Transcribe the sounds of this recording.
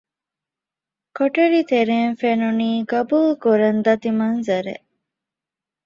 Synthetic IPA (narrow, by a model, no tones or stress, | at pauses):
koʈɐɾit̪eɾeːnfenuniːɡɐbulkuɾɐnd̪ɐt̪imɐnzɐɾḛʔ